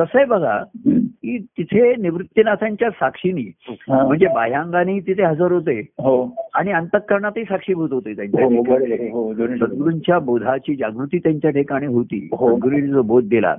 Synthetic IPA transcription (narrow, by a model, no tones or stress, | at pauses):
t̪əsəjbəɡʱa̰ɦiːt̪it̪ʰeniʋɾut̪ːjənat̪ʰaɲt͡ɕjasakʂiniːɦãm̤əɳd͡zebaɦjãŋɡaniit̪it̪ʰeɦəd͡zəɾɦot̪eɦoaɽ̃iənt̪əkːəɾɳat̪isakʂiːbʱot̪ɦot̪et̪jaɲt͡ɕaʈekəɽɦodsəd̪ɡɽuɲt͡ɕjabod̪ʱat͡ɕiːd͡ʑaɡɾut̪iːt̪jaɲt͡ɕjaʈʰekaɽ̃iːɦot̪ḭːɦoɡuɾilid͡zɔbod̪̚d̪ila̰